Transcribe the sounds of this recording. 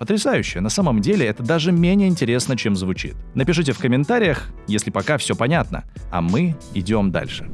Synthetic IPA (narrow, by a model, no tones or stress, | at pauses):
pət̪ɾʲɪsajʉɕːɪjənɐsaməmdʲelʲɪɛt̪əd̪aʐɨmʲenʲɪjəɪnʲtʲɪɾʲe̞snət͡ɕemzvʊt͡ɕḭt̪̚nəpʲɪʂɨt̬ʲɪfkəmʲɪnt̪aɾʲɪjəxjesʲlʲɪpɐkafsʲopɐnʲat̪nə̰ɐ̰mɨɪdʲo̞md̪a̰lʲʂɨ̥